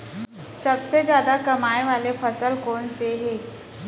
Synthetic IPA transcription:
sɐbsed͡ʒjaːd̪akɐmaːeʋaːlefʰɐsəlkɔːnseɦɛː

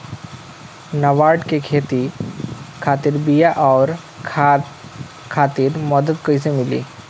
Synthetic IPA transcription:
nəʋaɽkekʰet̪i | kʰat̪iːɾbijaʔɔːɾ | kʰat̪iːɾməd̪ət̪kəjsemilḭː

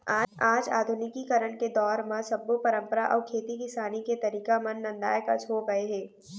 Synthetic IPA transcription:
aːaːd͡ʒa̰ːd̪ʱʊnɪkikɐɾəɳked̪ɔːɾmãsɐbːupɐɾə̃mpəɾaʔɔːɾkʰeːt̪ikɪsaːniket̪ɐɾiːkamɐnːɐ̃nd̪a̰ːjkɐ̰t͡ʃʰɦoːɡɐeɦɛ̃ː

